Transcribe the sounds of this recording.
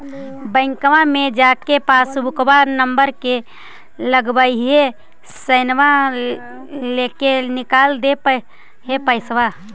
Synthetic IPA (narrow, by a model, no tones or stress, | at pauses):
bəɪ̃ŋkʋamẽd͡ʒaːkepaːsbʊkbanəmbəɾke | ləɡbəiɦe | səɪnʋa | lekenɪkaːld̪epə | ɦepəɪsʋa